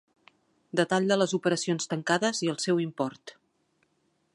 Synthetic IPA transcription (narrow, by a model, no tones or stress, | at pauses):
d̪ət̪aʎd̪ələzupəɾəsionst̪əŋkaðəziəlˠsɛwimpɔrt̪